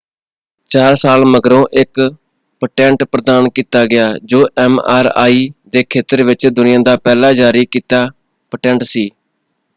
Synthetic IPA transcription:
t͡ʃaːɾsaːlməɡɾõːʔɪk | pəʈɛ̃ːɳʈpɾəd̪aːnkiːt̪aːɡɪjaːd͡ʒoːʔɛːma̰ːɾa̰ːiːd̪eːkʰeːt̪əɾʋɪt͡ʃd̪ʊnɪjãːd̪aːpɛːlaːd͡ʒaːɾiːkiːt̪aː | pəʈɛ̃ːɳʈsiː

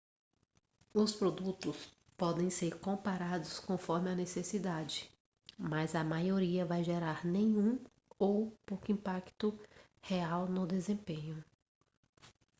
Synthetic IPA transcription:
ʊspɾod̪ut̪ʊs | pɔd̪ẽj̃seɾkõpaɾad̪ʊskõfɔɾmɪɐnesesid̪ad͡ʒɪ | mɐzɐmajoɾiɐvajʒeɾaɾnẽɲũ | owpokʊĩmpakt̪ʊ | heawnʊd̪ezẽpẽɲʊ

